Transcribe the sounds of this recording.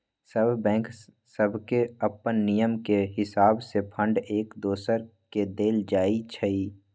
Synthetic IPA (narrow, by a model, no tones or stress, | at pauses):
səbbɛ̃ːŋk | səbʱkeəpːənːijəmkeɦɪsaːbsepʰə̃ɳɖeːkd̪oːsəɾked̪eːld͡ʒaːit͡ʃʰəiː